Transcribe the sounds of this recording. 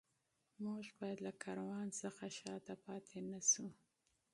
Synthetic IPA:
muʒbɑjad̪lakʰɑɾawɑnsəxaʃɑt̪apɑt̪ʰenasu

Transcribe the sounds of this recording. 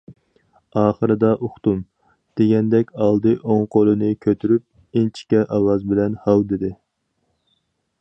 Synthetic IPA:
ɑːχəɾɨd̪ɑʔoχt̪um | d̪̥eɡʲɛnd̪ɛkʲɑlˠd̪ɨʔoŋqʰolˠɨnɨkʲʰøt̪ʰyɾyp̚ | int͡ʃʰi̥kʲɛʔɑwɑzbɪlɛnhɑwd̪ɪd̪ɪ

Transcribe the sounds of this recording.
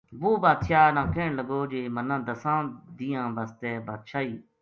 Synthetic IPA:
buːbaːt̪ʃaːnãːkeːɳləɡoːd͡ʒeːmənãːd̪əsãːd̪ijãːbast̪ɛːbaːt̪̚ʃʰaːiː

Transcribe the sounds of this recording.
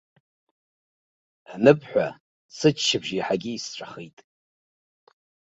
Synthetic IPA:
nɨpʰħʷa | sɨt͡ʃʃɪbʒiħaɡʲiːsʈ͡ʂʷʰʼaχejtʼ

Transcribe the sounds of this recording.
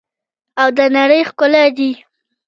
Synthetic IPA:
awd̪ənaɽəjxkʊlad̪i

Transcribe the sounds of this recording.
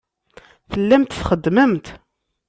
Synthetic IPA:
θəlːæmt̪θχəd̪ːməmt̪

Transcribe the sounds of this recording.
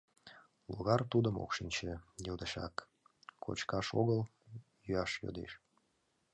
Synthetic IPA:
luɣɑrt̪ud̪əmo̰kʃinʲt͡ɕejod̪əʃɑ̰k | kʰo̰t͡ɕkɑʃoɣəl | jyɑʃjo̰d̪ḛʃ

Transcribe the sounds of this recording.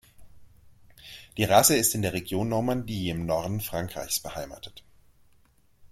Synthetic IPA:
d̥iːʁasəɪstɪndeːɐʁeɡjoːnːɔɐmandiːɪmnɔɐdn̩fʁ̥aŋkʁ̥a̰ɪçsb̥əhaɪma̰ːtʰə̥t

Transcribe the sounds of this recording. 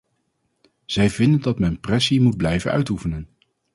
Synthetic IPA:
z̥ɛjvɪndəndɑtmɛnprɛsimud̚blɛjvənœ̰ɥtufənən

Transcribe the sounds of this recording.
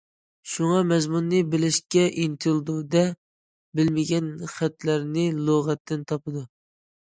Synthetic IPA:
ʃuŋɑmɛzmunːɨbɪlɪʃkʲɛʔint̪ʰɪlˠd̪ud̪ɛ | bɪlmɪɡʲɛnχæt̪læɾnɪlˠoʁɛt̪ʰːɪnt̪ʰɑpɨd̪u

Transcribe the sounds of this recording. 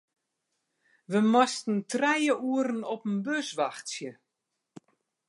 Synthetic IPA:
ʋəmɔstn̩trɛjəʔuəɾənɔpənbøsʋaxtsjə

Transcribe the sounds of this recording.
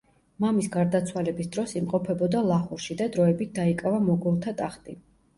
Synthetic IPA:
mamisɡaɾd̪at̪sʰwalɛbisd̪ɾɔsimqʼɔpʰɛbɔd̪alˠaχuɾʃid̪ad̪ɾɔɛbit̪̚ʰd̪aikʼavamɔɡulˠt̪ʰat̪ʼaχt̪ʼi

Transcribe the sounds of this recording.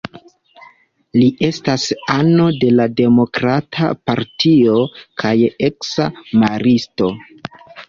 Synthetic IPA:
liʔe̞stasano̞de̞lade̞mo̞kɾatʰa̰paɾtʰio̞kʰajeksamaɾisto̞

